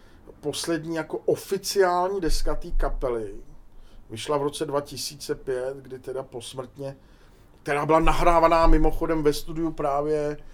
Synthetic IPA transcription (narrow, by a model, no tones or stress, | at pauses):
po̞slɛdɲiːjako̞ʔofɪt͡sɪaːlɲiːdɛskat̪iːkapɛlɪ | vɪʃlavɾo̞t͡sɛdvacɪsiːt͡sɛpjɛt̪ɡdɪt̪ɛdapo̞smr̩t̪ɲɛ | k̚t̪ɛɾaːbɪlanaɦɾaːvanaːmɪmo̞xo̞dɛmvɛst̪udɪjupɾaːvjɛ